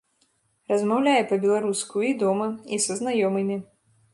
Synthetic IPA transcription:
rɐzmawlʲajɛpɐbʲɛlˠaɾuskʊid̪ɔmɐisɐznajɔmɨmʲi

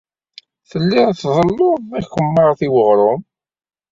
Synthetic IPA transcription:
θəlːɪɾθðˤəlːʊæçəmːɑɾˤθiwəʁɾˤʊm

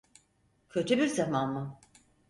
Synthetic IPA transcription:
cʰø̞t̪ʰybiɾzamanmu

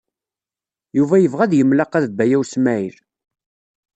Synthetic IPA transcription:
juvæjəvʁæðjəmlɑqæðbːæjæwsmæiɾ

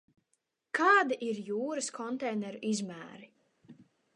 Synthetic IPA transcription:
kʰaːd̪iʔiɾjuːɾɨskʰɔnt̪ɛjnɛɾuʔizmæːɾi

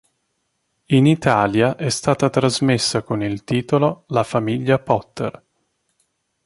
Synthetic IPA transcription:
init̪aːljaʔɛst̪aːt̪at̪ɾazmesːakonilt̪iːt̪ololafamiʎːapɔt̪ːḛr

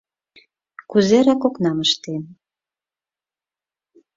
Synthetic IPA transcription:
kuzeɾɑkoknɑməʃt̪en

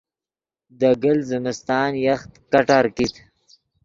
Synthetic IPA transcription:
d̪əɡəlzɪmɪst̪ɑːnjaxt̪kaʈaɾkit̪

